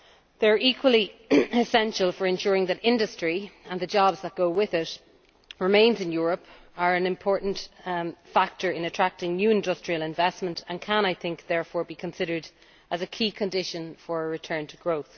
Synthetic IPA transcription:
ðə˞ikʰwəliɪsɛ̃nʃəlˠfə˞ɨ̃nʃʊːɹɪ̃ŋðəɾɪ̃ndəstɹ̥iə̃nðəd͡ʒɑbzðət̚ɡ̥oʊwɪðɪt | ɹɪmẽɪ̃nzɪ̃njʊːɹəp | ə˞ə̃nɪ̃mpʰɔɹʔn̩tfak̚tə˞ɪ̃nətʰɹ̥ak̚tɪ̃ŋnjʉːɪ̃ndʌstɹ̥iəlɪ̃ɱvɛsmə̃ntʰə̃nkʰə̃ñaɪθɪ̃ŋk̚ðɛɹfɔːɹbikʰə̃nsɪɾə˞d | ʔəzəkʰiːkʰə̃ndɪʃə̃nfə˞əɹɪtʰɜ̃˞ntʰəɡɹoʊθ

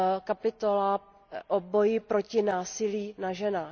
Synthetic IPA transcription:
kapɪt̪ola | ʔobojɪpɾo̞cɪnaːsɪliːnaʒɛnaː

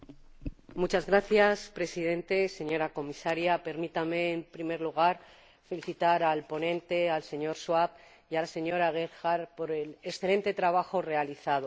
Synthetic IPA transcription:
mut͡ʃazɣɾaθjaspɾe̞sið̞e̞nt̪e̞se̞ɲo̞ɾako̞misaɾjape̞ɾmit̪ame̞ːmpɾime̞ɾluɣ̞aɾ | fe̞liθit̪aɾalpo̞nẽ̞nt̪e̞alse̞ɲo̞ɾswap | jalase̞ɲo̞ɾaɣ̞eɾxaɾpo̞ɾeleksθelẽ̞nt̪e̞t̪ɾaβaxo̞re̞aliθaðo

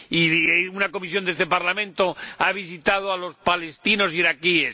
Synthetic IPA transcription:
iunako̞misjo̞nd̪eest̪e̞paɾlamẽ̞nt̪o̞aβ̞isit̪að̞oalo̞spale̞st̪ino̞s̬iɾakies

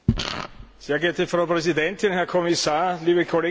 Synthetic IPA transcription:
seːɐɡɛɐtəfʁaʊpʁɛzidɛntɪnhɛɐkʰɔmisaːɐliːbəkʰoleː

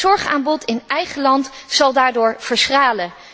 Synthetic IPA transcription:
ɔɹχa̰ːmbɔtɪnɛjχəlɑntz̥ɑlˠdaːɹdʊːɹv̥əɹsraːlə

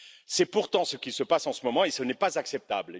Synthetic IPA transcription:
sɛpuʁt̪ɑ̃səkʲisəpasɑ̃səmɔmɑ̃esənɛpazaksɛp̚t̪abl

